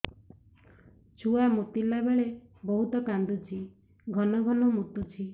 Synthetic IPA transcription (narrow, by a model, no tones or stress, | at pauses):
t͡ʃʰuamut̪ilabaɭebɔɦut̪ɔkand̪ut͡ʃʰi | ɡʱɔnɔɡʱɔnɔmut̪ut͡ʃʰi